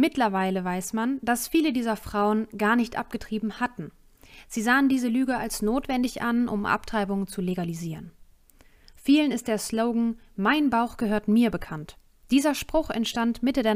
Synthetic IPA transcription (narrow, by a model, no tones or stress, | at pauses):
mɪtlɐvaɪləvaɪsmand̥asfiːlədiːzɐfʁ̥aʊənɡaːɐnɪçtʔa̰p̚ɡ̥ətʁ̥iːbm̩hatn̩ | z̥iːzaːəndiːzəlyːɡəalsnoːtv̥ɛndɪçʔanʔʊ̰mʔa̰ptʁ̥aɪbʊŋənt͡suleɡaliziːʁən | fiːlənɪst̚d̥eːɐsloʊɡŋ̩maɪnbaʊxɡ̥əɦøːɐtmiːɐbəkʰant | d̥iːzɐʃpʁ̥ʊχɛ̰ntʃtantmɪtədeːɐ